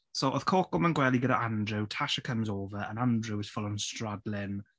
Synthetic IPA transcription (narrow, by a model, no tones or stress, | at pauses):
soʔəð̥kʰoːkɔmə̃nɡwɛlˠiɡɛɾəʔãndɹutʰaʃəkʰə̃mzoːvəɹə̰̃nãndɹuɪz̥fʊlˠə̃nstɹadlɪn